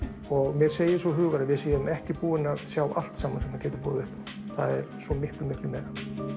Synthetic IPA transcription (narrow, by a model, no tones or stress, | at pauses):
ɔɣmjɛɾ̥seːjɪ̥svɔɦʏːɣaɾɪvɪðsijaʏmɛhcɪpuːɪnaðsjaːwa̰l̥t̪saːmansɛmhancɛːt̪ɪɾpuːðɪvɪhk | θa̰ðɛɾ̥svɔmɪhk̪lʏmɪhk̪lʏmɛːɾa